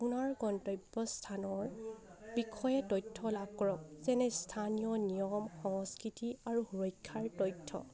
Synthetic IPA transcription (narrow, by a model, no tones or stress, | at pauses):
punaɹɡɔntɔjbɔstʰanɔɹbikʰɔjɛtɔjtʰːɔlab̚kɔɹɔk̚zɛnɛstʰanijɔnijɔmxɔŋɔskɹitiaɹuhuɹɔjkʰːaɹtɔjtʰːɔ̰